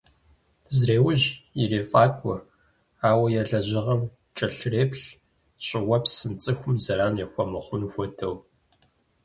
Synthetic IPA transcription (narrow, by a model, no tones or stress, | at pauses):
zreːwʊʑɪreːfʼaːkʷʰʼɔ | aːwɐjɛɮɐʑɪʁɐm | t͡ʃʼɐɬreːpɬ | ɕʼɪwɐpsɨnt͡sʼɨxʷʊmzɐraːnjɛxʷɔmɨχʷʊnxʷɔtʰɐw